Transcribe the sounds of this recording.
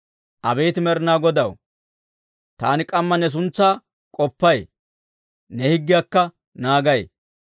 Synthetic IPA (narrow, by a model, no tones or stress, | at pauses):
ʔɐbejt̪ɪmɛɾnaːɡɔd̪ɐw | t̪aːnɪkʼɐmːɐnɛs̬ʊnt͡sːaː | kʼɔpːɐj | nɛhɪɡːɪjakːɐ | naːɡɐj